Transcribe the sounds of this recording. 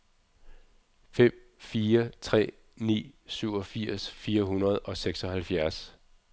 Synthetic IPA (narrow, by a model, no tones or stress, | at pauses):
fem̰fiːɐt͡sʰʁɛ̰ː | nḭːsyʊ̰ɒ̽fiɐ̰sfiːɐɦunʁɐð̞̩ˠɒ̽seɡ̥sɒ̽hælfjæɐs